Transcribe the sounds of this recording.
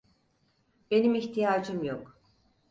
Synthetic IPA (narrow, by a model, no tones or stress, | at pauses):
b̥e̞nimiçt̪ʰijaːd͡ʒɯmjok